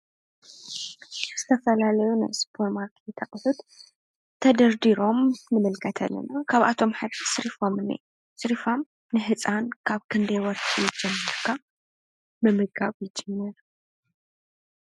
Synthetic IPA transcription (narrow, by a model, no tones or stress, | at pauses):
z̥ɨt̪ʰɐfɐlalɐjuna̰jspʰoɾmaɾkʰɛt̪ʰɐχʼħut̪ | t̪ʰɐd̪ɐɾd̪iɾo̞mːɨmɨlkʰɐt̪ʰɐ̰lːɐ̰nɐkʰaβʔa̰t̪ʰo̞mħɨd̪isɨɾifomɨnḛj | sʼɨɾifom | nɨɦɨt͡sʼankʰaβkʰɨnd̪ejwɔɾħijɪd͡ʒɛmːɐɾkʰa | mɨmɨɡaβjɪd͡ʒɛmːɐɾ